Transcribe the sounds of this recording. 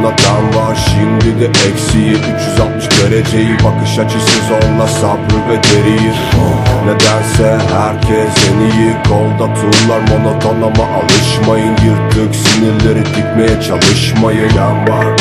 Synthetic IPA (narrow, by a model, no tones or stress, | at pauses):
nɑt̪ʰænvɑʃind̪ɪd̪ɛʔɛkʲsijiyt͡ʃjyzɑlˠt̪̚mɯʃd̪ʲɛɾɛd͡ʒejibɑkɯʃɑt͡ʃʰɯsɛzonlˠɑsɑbuɾvɛɡʲeɾijiɾnɛd̪ænsɛɦæɾkʲʰɛsenijikʰolˠd̪ɑt̪ʰulˠːɑɾmonot̪ʰonlˠɑmɑʔɑlˠɯʃmɑjɯnjɯɾk̪ʰøkʲsiniɾlɪɾit̪ʰik̚ʲmɛjɛt͡ʃʰɑlˠɯʃmɑjɯnɛnbɑɾ